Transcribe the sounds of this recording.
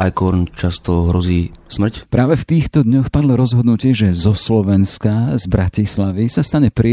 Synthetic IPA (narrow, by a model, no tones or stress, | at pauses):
ʔa̰jkɔɾnt͡ʃast̪ɔɦɾɔziːsmr̩cpɾaːʋɛft̪iːxt̪ɔd̪ɲɔxpad̪lɔɾɔzɦɔd̪nucɪɛʒɛzɔslɔʋɛnskazbɾacislaʋisast̪aɲɛpɾ